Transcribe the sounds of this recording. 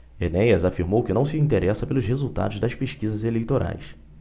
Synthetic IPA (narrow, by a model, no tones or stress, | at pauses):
enɛjɐzafiɾmowkɪnɐ̃w̃sɪĩnt̪eɾʔɛsɐpelʊzhezuwt̪a̰d̪ʊzd̪ɐʃpeʃkizɐzelejt̪oɾʔa̰js